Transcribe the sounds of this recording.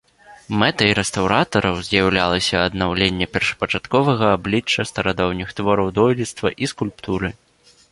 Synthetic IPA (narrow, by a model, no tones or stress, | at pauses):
mɛt̪ɐiɾɛst̪awɾat̪ɐɾɐwzʲjawlʲalˠɐsʲɐːd̪nawlʲenʲːɛpʲɛrʂɐ̥pɐt͡ʂat̪kɔvɐɣɐːblʲit͡ʂːɐst̪ɐɾad̪ɔwnʲixt̪vɔɾɐwd̪ɔjlʲit̪st̪vɐʔiskulʲpt̪uɾɨ